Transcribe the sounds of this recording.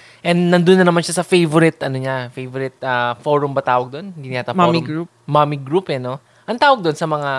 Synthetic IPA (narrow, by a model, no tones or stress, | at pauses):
ʔɛnd̪nɐnd̪ʊnːɐnɐmanʃasɐfejvʊɾɪt̪ɐnoɲafejvoɾɪt̪̚afoɾʊmbɐt̪aːwɐɡ̚d̪onnd̪inɪaːt̪amɾɡu | mamiɡɾupɛno̞ | ʔɐŋt̪aːwɐɡ̚d̪onsɐmɐŋa